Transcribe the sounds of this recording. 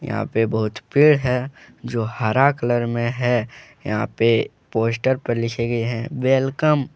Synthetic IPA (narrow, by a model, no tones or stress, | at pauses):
jə̰ɦã̰pebəɦʊt̪pɪɽɦɛ | d͡ʒoːhaːɾakələɾmẽɦɛjɐɦã̰ːpe | poːs̬ʈəɾpəɾlɪkʰeɡeɦɛ̃ʋeːlkəm